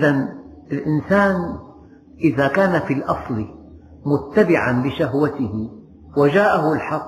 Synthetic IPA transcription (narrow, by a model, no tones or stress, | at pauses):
ʔðan | ɪlʔɪnsaːn | ʔɪðakaːnafilʔɑsˤl | mʊt̪ːabɪʕanlɪʃaɦwat̪ɪhɪ | wad͡ʒaːʔaɦʊlħɑqː